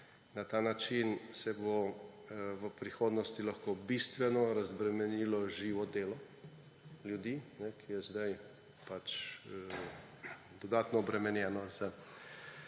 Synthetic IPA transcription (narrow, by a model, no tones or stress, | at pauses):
nat̪aːnat͡ʃinsɛbo | ʋəpɾixoːd̪nɔst̪ilaxkobist̪ʋɛnɔɾazbɾɛmɛnilɔʒiːʋɔd̪eːlɔ | ljud̪iːnɛkʰijɛzd̪aj | pat͡ʃ | d̪ɔd̪aːt̪nɔːbɾɛmɛnjɛnɔza